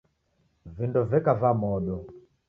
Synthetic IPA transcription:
vindɔvɛkavamɔɗɔ

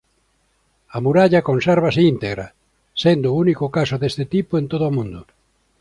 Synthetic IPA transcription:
amuɾaʎakonsɛɾβ̞asɪint̪eɣɾa̰ | send̪ʊunikʊkasoðest̪ɪt̪ipoent̪oðʊamũnd̪ʊ

